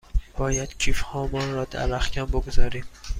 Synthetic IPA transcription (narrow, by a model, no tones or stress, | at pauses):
b̥ɒːjæd̪̥cʰiːfhɒːmɒːnɾɒːd̪æ̰væxcʲʰæmboɡozɒːɾiːm